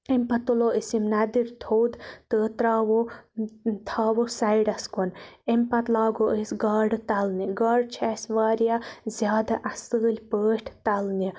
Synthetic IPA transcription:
empɐt̪oloːʔisimnɐd̪iɾt̪ʰowd̪t̪əːt̪ɾaːʋo | t̪ʰaːʋosajɖɐskonempɐt̪laːɡoʔəsɡɐːɖt̪ɐlniɡɐɖt͡ʃʰɛsʲʋaːɾjazʲjaːd̪aʔɐsəːlʲpəːʈʰt̪ɐlni

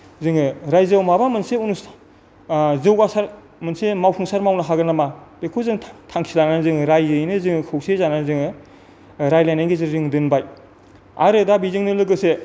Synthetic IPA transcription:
zɯŋɯɾajzɯwmabamɯnseunus | zɯwɡasaɾ | mɯnsemawpʰuŋsaɾmawnɯɦaɡɯnamab̥ekʰowzɯŋtʰaŋkʰilananzɯŋɯɾajzɯjnɯzɯŋɯkʰɯwsezananzɯŋɯ | ɾajlajnajɡezɯɾɯŋdɯnbaj | a̰ɾɯdabizɯŋnɯlɯɡɯse

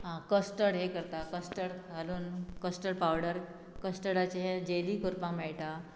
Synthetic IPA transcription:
ɦãkəsʈəɽɦekəɾt̪akəsʈəɽɡʱaluːnkəsʈəɽpawɽəɾ | kəsʈəɽat͡ɕeɦed͡ʑeliːkʰuɾpãmɛɭʈ̪a

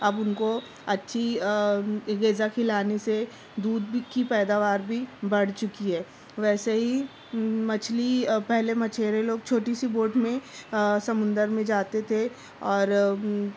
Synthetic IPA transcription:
ɐbʊnko | ɐtːʃʰi | ɡeːzakʰɪlaːnese | d̪uːd̪̚kipɛːd̪aːʋaːɾbʱibɐɽ̤t͡ʃʊkiɦɛː | ʋɛːseɦi | mɐt͡ʃʰlipɛɦlemɐt͡ʃʰeːɾeloːɡ̚t͡ʃʰoːʈisiboːʈmẽsɐmʊ̃nd̪əɾmẽd͡ʒaːt̪et̪ʰe | ɔːɾ

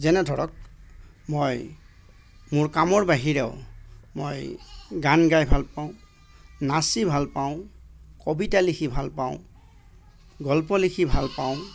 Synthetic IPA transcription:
zɛnɛdʱɔɹɔk̚ | moj | mʊɹkamɔɹbaɦiɹɛʊmojɡanɡajbʱalpaʊ̃ | nasibʱalpaʊ̃kɔbitalikʰibʱalpaʊ̃ | ɡɔlpɔlikʰibʱalpaʊ̃

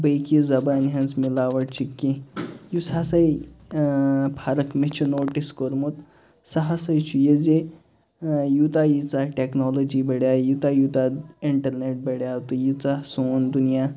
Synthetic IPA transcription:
bəjkizɐbanɦɐnsmilaːʋɐɽt͡ʃʰikːijusasaj | pʰaɾɐkmet͡ʃʰunoːʈiskoɾmut̪ | sɐɦasɐjt͡ʃʰujed͡ze | jut̪ajit͡saʈeknɔːlod͡ʒibɐɽjajut̪ajut̪aiɳʈɐɾneʈ̚bɐɽjat̪ujut͡sasoːnd̪unija

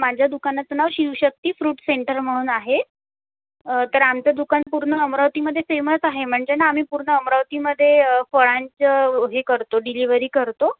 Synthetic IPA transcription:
mad͡ʑʱjad̪ukanat͡snaʋɕiwɕək̚t̪iːfɾuːʈseɳʈəɾm̤əɽ̃uːnaɦe | t̪əɾamt͡ɕad̪ukanpuɾɳəəmɾaʋt̪iməd̪ʱːjefeməsaɦem̤əɳd͡zenaːm̤iːpuɾɳəəmɾaʋt̪iːməd̪ʱːjefəɭaɲt͡ɕɦekəɾt̪oɖiliʋəɾiːkəɾt̪o

